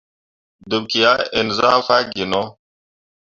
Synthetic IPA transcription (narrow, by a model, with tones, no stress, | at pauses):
d̪u˨kija˦ɪ˨nza̰ː˦fa˦ɡi˨no˦